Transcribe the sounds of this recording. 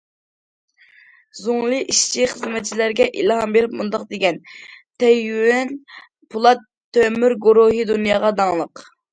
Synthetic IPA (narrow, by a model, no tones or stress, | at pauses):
zoŋlˠɨʔiʃt͡ʃʰiχəzmɛt̪̚t͡ʃʰilæɾɡʲɛʔḭlˠɦɑmbeɾɪp̚mund̪ɑqd̪eɡʲɛnt̪ʰɛjwɛn | pʰulˠɑt̪ʰːømyɾɡoɾoɦɨd̪unjɑʁɑd̪ɑŋlˠəq